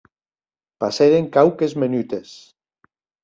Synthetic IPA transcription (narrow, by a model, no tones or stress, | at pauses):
paseðeŋkawkezmenyt̪es